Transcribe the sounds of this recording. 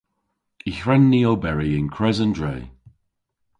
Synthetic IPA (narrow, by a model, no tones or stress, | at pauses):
içɹɛnːiowbɛɹiɪnkʰɹɛzəndɹḛː